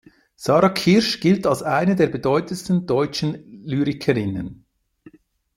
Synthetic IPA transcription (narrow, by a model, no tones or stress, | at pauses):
sɑːɾɑkʰɪɾʃɡ̥ɪltalsaɪnədeːɐbedɔʏtənstən̩dɔʏt͡ʃən̩lyːɾɪkʰəɾɪnə̰n